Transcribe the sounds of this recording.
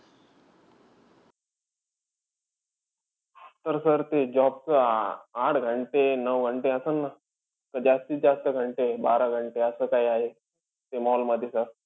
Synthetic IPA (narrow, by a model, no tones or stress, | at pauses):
t̪əɾsəɾt̪ed͡ʑɔpt͡səaʈʰɡʱəɳʈenəʋɡʱəɳʈeəsənːa | kəd͡ʑjast̪iːd͡zast̪əɡʱəɳʈebaɾaɡʱəɳʈeəsəːkaiaɦe | t̪emɔɦɔlməd̪ʱːjesəɾ